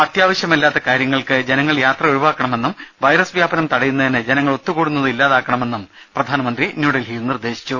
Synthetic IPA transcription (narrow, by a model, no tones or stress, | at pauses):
ɐt̪ʰjaːʋɐɕjɐmilːaːt̪ːɐkaːɾjɐŋːɐɭkɨd͡ʑe̞nɐŋːɐɭjaːt̪rɐoɾuʋaːkːɐɳɐme̞nːumʋɐjɾɐsʋjaːbɐnɐmt̪ɐɽɐjunːɐðinɨd͡ʑe̞nɐŋːɐɭo̞t̪ːukuːɽunːɐðɨilːaːðaːkːɐɳɐme̞nːum | prɐd̪ʱaːnɐmɐnd̪rinjuːɽelɦiːlnird̪e̞ːɕi̥t͡ɕːu